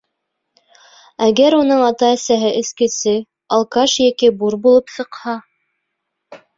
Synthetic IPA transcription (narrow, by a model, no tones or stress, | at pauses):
æɡæɾunɤɴɑt̪ɑæsæɦɘʔɘ̆skɘ̆sɘ | ɑlˠkɑʃjækibuɾbulˠɤpsɤ̆qhɑ